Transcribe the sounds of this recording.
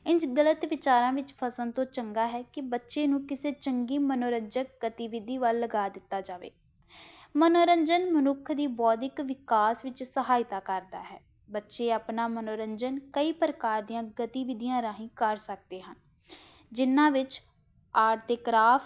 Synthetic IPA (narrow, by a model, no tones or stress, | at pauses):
ɪnsɡələt̪ʋɪt͡ʃaːɾãːʋɪt͡ʃpʰəsənt̪õːt͡ʃəŋɡaːɦɛːkɪbətːʃeːnũːkɪseːt͡ʃəŋɡiːmənoːɾəɲd͡ʒək̚ɡət̪iːʋɪd̪iːʋalːəɡaːd̪ɪt̪ːaːd͡ʒaːʋḛː | mənoːɾəɲd͡ʒənmənʊkʰd̪iːbɔːd̪ɪkʋɪkaːsʋɪt͡ʃsəɦaːɪt̪aːkəɾd̪a̰ːɦɛː | bətːʃeːaːpnaːmənoːɾəɲd͡ʒənkəiːpɾəkaːɾd̪ijãːɡət̪iːʋɪd̪ijãːɾãːɦĩːkəɾsək̚d̪eːɦən | d͡ʒɪnːãːʋɪt͡ʃ | aːɾt̪əkɾaːp